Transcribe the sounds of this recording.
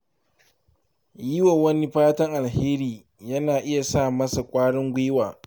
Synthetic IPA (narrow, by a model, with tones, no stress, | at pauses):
jɪ˦wɐ˨wɐ˦ni˦ɸaː˦tɐ˦ŋʔa˨lheː˦ɾiː˨ | jɐ˦naː˨ʔɪ˦ja˨saː˦˨mɐ˦sa˨kʷʼaː˦ɽɪ˦ŋɡʷeː˦waː˨